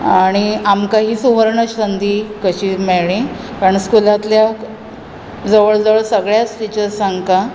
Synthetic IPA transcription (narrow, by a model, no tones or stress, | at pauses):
aɽ̃iamkaɦiːsuʋəɾɳəɕənd̪ʱiːkəɕiːmɛɭĩkaɾəɳskulat̪lja | d͡zəʋəɭd͡zəʋəɭsəɡɭjasʈit͡ɕəɾsãŋɡka